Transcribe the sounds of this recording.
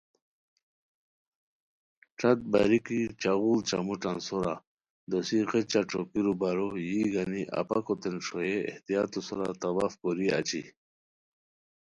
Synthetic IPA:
ʈ͡ʂat̪̚baɾikit͡ɕaɣuːlt͡ɕamuʈ͡ʂansoɾa | d̪osiqet͡ɕaʈ͡ʂʰokiɾubaɾojiɡaniʔa̰pakot̪enʂojeḛht̪ijat̪usɔɾat̪abafkɔɾia̰t͡ɕḭ

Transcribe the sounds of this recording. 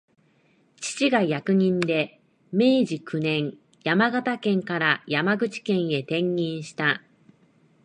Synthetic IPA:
t͡ɕi̥t͡ɕiɡajakɯ̟ɲ̟ĩnd̪e̞ | me̞ːʑikɯ̟nẽ̞ɰ | jamaɡat̪akẽ̞ŋkaɾajamaɡɯ̟t͡ɕi̥kẽ̞ɰ̃e̞t̪ẽ̞ŋːʲĩɰ̃ɕi̥t̪a

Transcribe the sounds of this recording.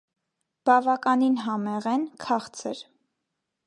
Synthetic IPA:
b̥ɑvɑkɑninɦɑmɛʁɛnkʰɑχt͡sʰəɾ

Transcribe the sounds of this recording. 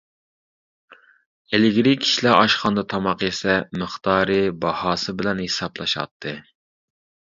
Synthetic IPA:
elɪɡʲɾɪkʲʰi̥ʃlæʔɑʃχɑnd̪ɑt̪ʰɑmɑqesɛmɨχt̪ʰɑːɾɨbɑhɑːsɨbɪlɛnhesɑblˠɑʃɑ̰t̪ʰːɨ

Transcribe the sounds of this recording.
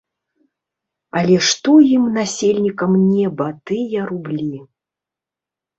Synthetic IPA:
ɐlʲɛʂt̪ɔjimnasʲelʲnʲikɐmnʲɛbɐt̪ɨjɐɾublʲi

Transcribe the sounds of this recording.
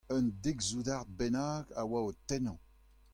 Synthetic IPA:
ənd̪eɡzud̪aʁd̪̚bɛnaːɡawaot̪ɛnɑ̃

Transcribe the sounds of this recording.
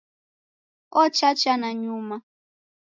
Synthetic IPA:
ɔt͡ʃat͡ʃanaɲuma

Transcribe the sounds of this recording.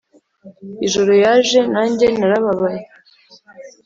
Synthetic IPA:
iʒo̞ɾo̞jaːʒe̞naːɲɟe̞naɾaβaβaje

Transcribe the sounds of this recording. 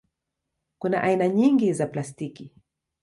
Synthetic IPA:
kuna̰ʔainaɲiŋɡizaplastiki

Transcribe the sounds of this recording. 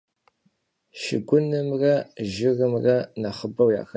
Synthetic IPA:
ʃɪ̰ɡʷʊnɨmrɐʒɪrɨmrɐnɐχəbɐwja̰ːxɐ

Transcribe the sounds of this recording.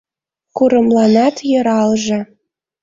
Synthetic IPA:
kuɾə̆mlɑnɑt̪jɤ̆ɾɑlʒĕ

